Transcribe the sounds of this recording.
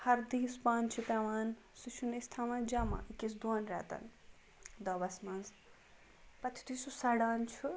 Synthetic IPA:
hɐɾd̪ispãːnt͡ʃʰit̪aːʋaːn | sut͡ʃʰunest̪ʰamɐnd͡ʒamã̰ʔikːisd̪uɐnɾa̰t̪ɐ̰n | d̪ɐbɐsmɐnz | pɐt̪ʰi̥t̪ʰisusɐɽaːnt͡ʃʰu

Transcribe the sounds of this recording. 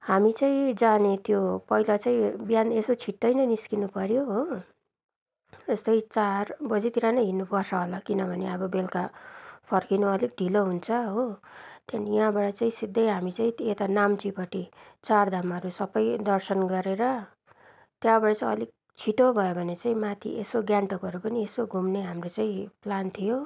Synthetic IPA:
hamit͡saĩd͡zanet̪jopʌilat͡saĩbjanesot͡sʰiʈːʌjnʌniskinupʌɾjoɦo | est̪ʌjt͡sarbʌd͡zit̪iɾanʌjɦinːupʌrt͡sʰʌɦolakinʌbʱʌneʌbʌbelkapʰʌrkinoʌlik̚ɖ̪ʱiloɦunt͡sʰʌɦot̪janijɦãbaʈʌt͡saĩsid̪ʱːʌjɦamit͡saĩet̪anamt͡sipʌʈit͡sard̪ʱamʌɾusʌbʌjd̪ʌrsʌnɡʌɾeɾʌ | t̪jãbʌɽʌt͡saĩʌlik̚ | t͡sʰiʈobʱʌjebʱʌnet͡saĩmat̪ʰḭʔesoɡjaɳʈʌkʌɾupʌniesoɡʱumneɦamrot͡saĩplant̪ʰijo

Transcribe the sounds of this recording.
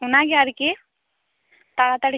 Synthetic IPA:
unaɡɛaɾiki | t̪aɭat̪aɽi

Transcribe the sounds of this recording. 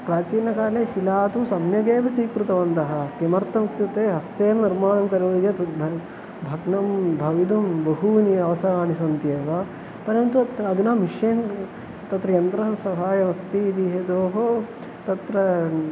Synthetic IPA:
pɾaːt͡ʃiːnɐkaːleːʃilaːt̪usɐmjɐɡeːʋɐsiːkɾut̪ɐʋɐnt̪ɐɦɐ̆kimɐɾt̪ːɐmuk̚t̪jut̪eːɦɐst̪eːnɐniɾmaːɳɐmkɐɾɐʋid͡ʒ̪et̪ɐ | bʱɐɡnɐmbʱɐʋid̪umbɐɦuniɐʋɐsɐɾaːɳisɐnt̪jeːʋɐ | pɐɾɐnt̪uɐd̪unaːmiʃjeːn | t̪ɐt̪ɾɐjɐnt̪ɾɐsɐɦaːjɐʋɐst̪iːd̪iɦed̪oːɦo | t̪ɐt̪ɾɐ

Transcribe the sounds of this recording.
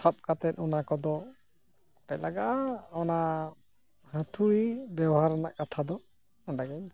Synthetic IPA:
sap̚kat̪ɛt̪̚ɔnakɔd̪ɔ | ʈaclaɡaʔaɔna | hə̃t̪ʰuɾibɛbɔɦaɾana̰ʔkat̪ʰad̪ɔ | ɔɖaɡɛɲ

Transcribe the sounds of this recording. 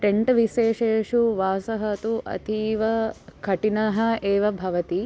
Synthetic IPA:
ʈeɳʈʋiʃeːʃeːʂuʋaːsɐɦɐt̪uʔɐ̰t̪ʰiːʋɐkʰɐʈinɐɦɐ̆eːʋɐbʱɐʋɐt̪i

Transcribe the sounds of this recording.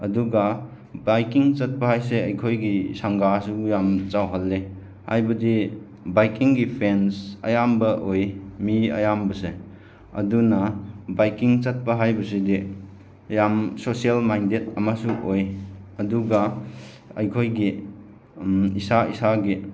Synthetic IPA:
ɐduɡa | bajkiŋt͡ʃɐt̚pɐhajseɐjkʰojɡisaŋɡasujamt͡ʃawɦɐlːe | ha̰jbɐdi | bajkiŋɡipʰensɐ̰jambɐʔojmiɐ̰jambɐse | ɐ̰dunɐbajkiŋt͡ʃɐt̚pɐɦajbɐsidi | jamsosielmajndet̚ɐmasuʔojɐduɡa | ɐ̰jkʰojɡi | isaḭsaɡi

